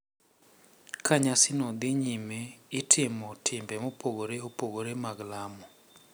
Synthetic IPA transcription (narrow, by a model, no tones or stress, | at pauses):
kʰaɲasɪnɔd̪ɪɲimeɪtʰɪmɔtʰɪmbɛmopoɡoɾeopoɡoɾemaɡlamɔ